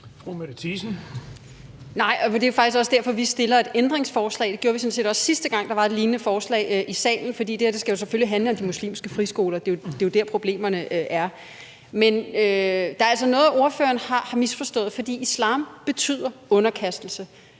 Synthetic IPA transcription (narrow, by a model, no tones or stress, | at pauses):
fʁumed̥t͡sʰisn̩ | nɑ̈ɪ̰ɒ̽d̥e̝jo̝fɑ̈ɡ̥isɡ̥ɒ̽sə̥d̥æɐ̰fɒ̽ʋisd̥e̝lɐe̝d̥end̥ʁeŋsfɒːslɛ̰ːɪd̥e̝ɡ̥joːɐʋisɔ̽nse̝̰ːd̥ɒ̽ssisd̥əɡ̥ɑ̈ŋ̰d̥ɑ̈ʋɑ̈e̝dliːnnəfɒːslɛ̰ɪʔisɛ̰ːln̩fɒd̥ḭːd̥eɐd̥e̝sɡ̥æjo̝s̬eføliɦænləɒ̽md̥imuslḭːmsɡ̥əfʁisɡ̥o̝ːlɐd̥e̝od̥e̝jo̝d̥æɐpʰʁo̝b̥le̝̰ːmɐnəʔøʔæɐ | menød̥ɑ̈ɐælsɒnɔ̽ːðˠʔo̝ɐfø̰ːɐn̩hɑ̈hɑ̈misfɒ̽sd̥ɔ̰̽ːð̩ˠfɒ̽d̥ḭːislɑ̰̈ːmb̥e̝t͡sʰy̰ð̞̰ˠɐɔ̽nɐkʰæsd̥l̩sə